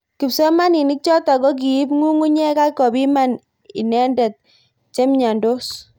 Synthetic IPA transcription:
ki˨psɔ˦ma˦ni˨ni˦k̚t͡ʃɔ˦ta˨ɡɔ˦k̬i˨i˦pŋu˦ŋu˦ɲɛ˦ka˦kːɔ˨bi˦ma˦n | ḭ˨nɛ˦ndɛ˨t̚ | t͡ʃe˦mɲa˨ndo˦s

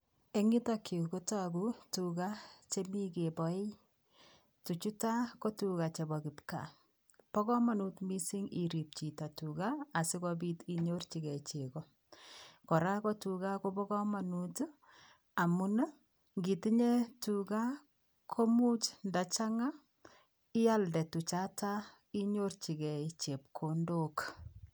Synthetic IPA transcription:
e˦ŋi˦takʰi˨ko˦takutuka˦t͡ʃe˦mi˦ke˨bɔ˨e˦ | tu˨t͡ʃu˦ta˦kɔ˦tuka˨t͡ʃe˨bɔ˨ki˨pka̰ | pɔ˦kɔ˦ma˨nutmi˦si˦ŋi˨ɾi˨p̚t͡ʃi˨ta˨tukaː˨si˦kɔbi˦ti˨ɲo˦rt͡ʃi˨kɛ˨t͡ʃe˨kɔ˦ | kɔ˨ɾa˦kɔ˦tu˨ɡa˦ko˦bɔ˦kɔ˦ma˨nut | a˨mu˦na˦ | ŋɡi˨ti˦ɲe˦tuɡa˦ | kʰo˦mu˦t͡ʃnda˨t͡ʃa˦ŋa˦ | ɪ˦a˦ldɛ˨tu˨t͡ʃa˦ta˦ | i˦ɲo˦rt͡ʃi˨ɡɛ˨it͡ʃe˨p̚kʰo˨ndo˦k

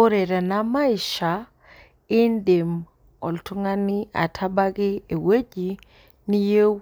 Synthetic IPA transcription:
o˦ɾe˨ɾa˨na˦ma˦i˨ʃa˨ | ɪ˦nde˨m | ɔ˨ltʊ˦ŋa˦nɪ˦a̰˨tʰa˦ba˦ɡɪ˦e˨we˦d͡ʒi˨ | ni˦je˦

